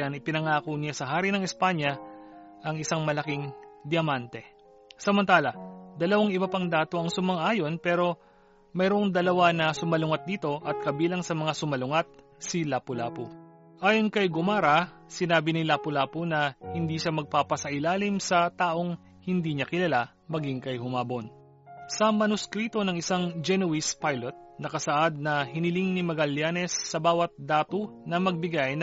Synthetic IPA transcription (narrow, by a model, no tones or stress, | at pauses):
anɪpɪnɐŋaːkonɪjasɐɦaːɾinɐŋɛspaɲɐʔɐŋɪsaŋmɐlɐkiŋd̪ɪjɐmant̪ɛ | sɐmɐnt̪aːlɐd̪ɐlɐwaŋɪbɐpɐŋd̪aːt̪o̞ʔɐŋsʊmɐŋʔaːjo̞npɛːɾo̞ | mɛjɾoʔoŋd̪ɐlɐwanɐsʊmɐlʊŋɐt̪̚d̪iːt̪o̞ʔɐt̪̚kɐbiːlɐŋsɐmɐŋasʊmɐlʊŋat̪̚ | silaːpʊlaːpo | ʔaːjo̞nkɐjɡʊmaːɾɐ | sɪnaːbɪnilaːpʊlaːponɐhɪnd̪iːʃamɐɡ̚papɐsɐʔɪlaːlɪmsɐt̪aːʔo̞ŋ | hɪnd̪iːɲɐkɪlɐla | mɐɡiŋkɐjhʊmaːbon | sɐmɐnʊskɾiːt̪o̞nɐŋɪsaŋd͡ʒɛnuwispajlɛt̪̚nɐkɐsɐʔad̪̚nɐhɪnɪliŋnimɐɡɐljaːnɛsːɐbaːwɐt̪̚d̪aːt̪onɐmɐɡ̚bɪɡajn